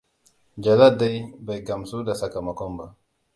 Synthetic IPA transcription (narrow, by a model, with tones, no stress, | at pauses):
d͡ʒa˨la˦da˦jba˨jɡa˨msu˦da˨sa˨ka˨ma˨ko˦mba˨